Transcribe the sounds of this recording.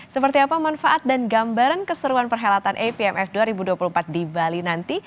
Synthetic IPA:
səpərt̪iapamanfaʔat̪̚danɡambaɾankəsəɾuanpərɦelat̪anʔepiɛmɛfduaɾibuduapulumpat̪̚dibalinant̪i

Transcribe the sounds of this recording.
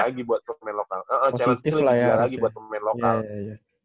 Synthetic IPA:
aɡibuat̪̚səmɛnloka̰ləʔəot͡ʃaɾsiast̪ɪllajalaɡibbuat̪səmmɛnlojkaaja

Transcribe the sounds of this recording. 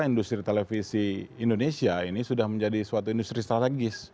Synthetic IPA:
aindust̪ɾit̪elefisiːndonesiainisudahməɲd͡ʒadisuat̪uindust̪ɾist̪ɾat̪eɡɪs

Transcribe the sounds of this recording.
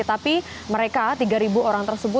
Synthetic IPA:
t̪api | məɾekat̪iɡaɾibuoɾaŋt̪ərsəbʊ

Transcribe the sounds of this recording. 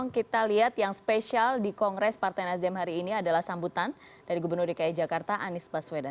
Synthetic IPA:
ŋkit̪aliɦat̪jaŋspeʃialdikɔŋɾɛspart̪ajnasiamɦaɾiːniadalahsambut̪an | daɾiɡubərnʊrdikaid͡ʒakart̪aʔanɪsbasweda

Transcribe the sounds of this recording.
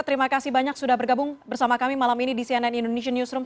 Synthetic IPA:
t̪əɾimakasibaɲaksudahbərɡabʊŋbərsamakamimalaminidisiananindooneʃanjusɾʊm

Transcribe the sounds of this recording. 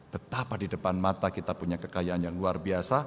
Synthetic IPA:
b̥ət̪apadidəpanmat̪akit̪apuɲakəkajaːnjaŋluarbiasa

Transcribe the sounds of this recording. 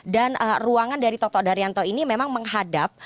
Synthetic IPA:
danəruaŋandaɾit̪ɔt̪ɔdaɾiant̪ɔinimemaŋməŋɦadap̚

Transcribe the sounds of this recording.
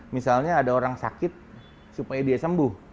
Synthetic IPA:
misalɲaːdaoɾaŋsa̰kɪt̪̚ | supajadiasəmbʊh

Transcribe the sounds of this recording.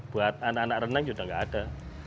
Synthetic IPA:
b̥uat̪̚anakanak̚rənaŋd͡ʒudaŋɡaʔːd̥a

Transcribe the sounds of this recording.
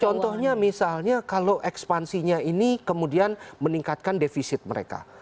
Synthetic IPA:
t͡ʃɔnt̪ɔhɲamisalɲakaloʔɛkspansiɲainikəmudianməniŋkat̪̚kandefisɪt̪̚məɾḛka̰

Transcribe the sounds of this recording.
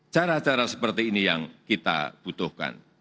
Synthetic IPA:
t͡ʃaɾat͡ʃaɾasəpərt̪iːnijaŋkit̪a̰b̥ut̪ʊhka̰n

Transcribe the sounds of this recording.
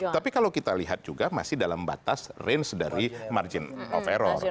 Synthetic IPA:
t̪apikalawkit̪aliɦat̪̚d͡ʒuɡama̰sɪhdalamba̰t̪asrɪnsdaɾima̰rd͡ʒɪnɔ̰feɾɔr

